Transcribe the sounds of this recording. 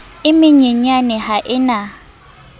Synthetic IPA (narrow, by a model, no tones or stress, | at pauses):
ɪmɪɲeɲanɪɦaʔɪna